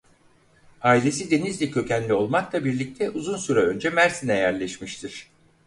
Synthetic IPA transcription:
aːilʲe̞sid̪e̞nizlʲicʰø̞cænlʲio̞lˠmaklˠabiɾlʲic̚t̪ʰɛʔuzunsyɾaø̞nd͡ʒɛmæɾsinɛjæɾlʲɛʃmiʃt̪ʰiɾ̥

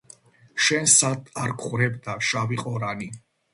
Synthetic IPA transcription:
ʃɛnsad̪aɾkʰχɾɛbd̪aʃaviqʼɔɾani

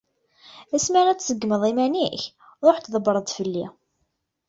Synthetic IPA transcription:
æsməʁæt͡sːsəɡːməðˤimæniç | ɾˤoħt̪ðˤəbəɾˤəd̪fəlːi

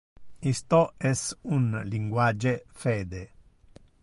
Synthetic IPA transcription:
ist̪ɔɛsunliŋɡwad͡ʒefɛːd̪e

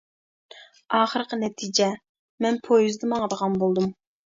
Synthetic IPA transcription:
ɑːχəɾəqənɛt̪ʰid͡ʒɛ | mɛnpʰojuzd̪ɨmɑŋəd̪əʁɑnbolˠd̪um

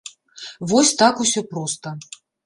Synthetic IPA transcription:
vɔsʲt̪akusʲɔpɾɔst̪ɐ

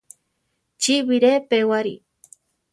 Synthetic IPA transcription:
t͡ʃiβiɾepewaɾḭ

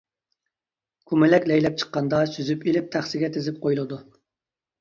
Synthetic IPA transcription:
kʰumɪlɛkʲlɛjlɛp̚t͡ʃʰə̥qːɑnd̪ɑsyzypilɪp̚t̪ʰæχsɪɡʲɛt̪ʰezɪp̚qʰojulˠɨd̪u

